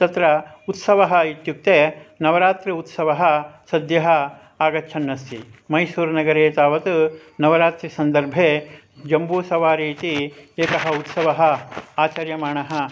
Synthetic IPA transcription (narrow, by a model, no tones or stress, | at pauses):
t̪ɐt̪ɾɐut̪sɐʋɐɦɐit̪juk̚t̪eːnɐʋɐɾaːt̪ɾiut̪sɐʋɐɦɐsɐd̪jɐɦɐ | aːɡɐt͡ʃʰɐnːɐst̪ḭmɐjsuːɾnɐɡɐɾeːt̪aːʋɐt̪unɐʋɐɾaːt̪ɾisɐnd̪ɐɾbʱeː | d͡ʒɐmbuːsɐʋaːɾiːt̪ieːkɐɦɐut̪sɐʋɐɦɐ̆aːt͡ʃɐɾjɐmaːɳɐɦɐ